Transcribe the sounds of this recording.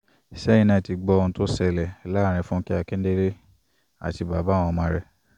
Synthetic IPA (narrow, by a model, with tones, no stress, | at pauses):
sɛ˦ĩ˧nã˦˧˨ti˨˧ɡ͡bɔ˧ũ˧to˦sɛ˧lɛ˨la˦˨ɾ̃ĩ˧fũ˦ki˦a˧kɛ˦de˦ɾe˦ | a̰˨ti˧ba˨ba˨˦˨w̃ɔ̃˧mãː˧˦ɾɛ˧